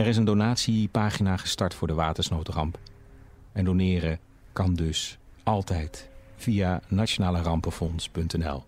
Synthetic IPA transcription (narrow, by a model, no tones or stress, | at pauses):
ɛɾɪs̬əndonaːtsipaːχinaːχəstɑɹtfʊːɹdəʋaːtəɹsnowtrɑmp | ɛndonɪːrə | kɑndɵs | ɑlˠtɛjtv̥ijanat͡ʃonaːlərɑmpəfɔnspɵntɛnɛ̰lˠ